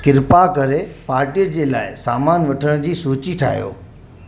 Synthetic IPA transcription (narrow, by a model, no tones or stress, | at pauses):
kɪɾpakɐɾepaːɾʈijəd͡ʑeːla̰ːɪsaːmaːnʋɐʈʰəɽ̃d͡ʑiːsuːt͡ɕiʈʰa̰ːɦijo̰ː